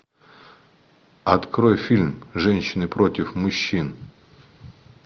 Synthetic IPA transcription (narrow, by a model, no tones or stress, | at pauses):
ɐt̪kɾojfʲilʲmʐɛnʲɕːɪnɨpɾotʲɪfmʊɕːin